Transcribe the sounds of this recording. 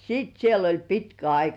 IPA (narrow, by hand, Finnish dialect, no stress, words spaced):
siːt siel olʲ pitkæ ɑikɑ